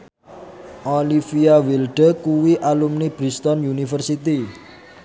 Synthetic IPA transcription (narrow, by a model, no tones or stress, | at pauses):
ʔɔlifiawilɖəkuwiʔalumnib̥ɾist̪ɔnjunifərsit̪i